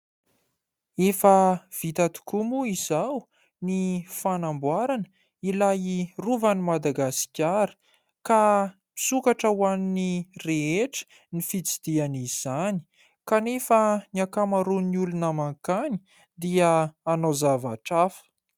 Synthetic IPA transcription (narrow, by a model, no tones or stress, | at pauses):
efəv̥it̪at̪i̥kumuizaw | nifanambwaɾanə | ilajiruvanimad̪aɡasi̥kʲaɾə̥ | ka | mi̥sukaʈ͡ʂəwaninireeʈ͡ʂə̥ | nifit͡sid̪̥ianiz̥ani̥ | kanefəniakamaɾuniulunəmaŋkani̥ | d̪iəːnozava̰ʈ͡ʂafə̥